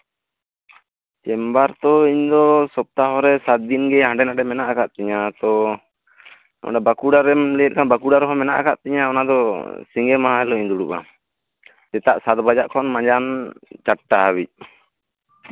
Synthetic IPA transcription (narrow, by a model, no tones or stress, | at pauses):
t͡ʃɛmbaɾt̪ɔiɲd̪ɔsɔp̚t̪aɦɔɾɛsat̪̚d̪inɡɛɦãɳɖɛnaɖɛmɛnaʔakaʔ̪̚t̪ɛɲat̪ɔ | ɔ̰ɖabakuɖaɾɛmlɛjɛt̪̚kʰanbakuɽaɾɦɔmɛnaʔa̰kaʔ̪t̪ɛɲaɔnad̪ɔsiŋɡɛmaɦãɛlɔiɲd̪uɽuʔa̰ | t̪ɛt̪aʔsat̪̚bad͡ʒaʔkʰɔnmãɲd͡ʒant͡ʃaʈːaabic̚